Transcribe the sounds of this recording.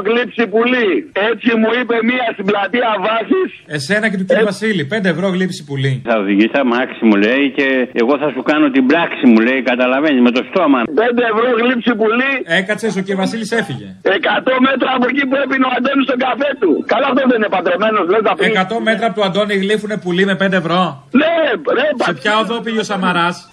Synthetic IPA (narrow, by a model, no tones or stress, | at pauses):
ɣlipsipuliet͡simuipe̞miɐst̪iblɐt̪iɐvɐsise̞se̞nɐcet̪uciɾivɐsilipe̞nd̪e̞ːvɾoɣlipsi̥puliθɐoðiʝisɐmaksimuleice̞eɣo̞θɐsukɐnot̪ibɾaksimule̞ikɐt̪ɐlɐvenizmet̪o̞st̪o̞mɐpe̞nd̪eːvɾo̞ɣlipsipuliekɐt̪t͡ses̬ociɾivɐsilise̞fiʝe̞̰ekat̪o̞me̞t̪ɾɐːpocipuepinoand̪onist̪oɡafe̞t̪ukaloɐft̪oðeinepɐd̪ɾome̞noslet̪ɐfekɐt̪o̞me̞t̪ɾɐpot̪uɐnd̪o̞niɣlifune̞pulime̞pe̞nd̪evɾo̞ | neðepsaepçɐoðopiʝeosɐmɐɾɐs